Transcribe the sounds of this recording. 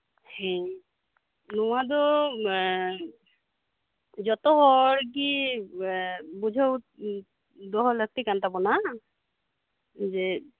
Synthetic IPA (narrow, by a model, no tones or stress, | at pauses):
hɛ̃ | nɔwad̪ɔ | d͡ʒɔt̪ɔɦɔɹk̬i | bud͡ʒʱɔw | d̪ɔɦɔlək̚t̪ikant̪apɔna | ze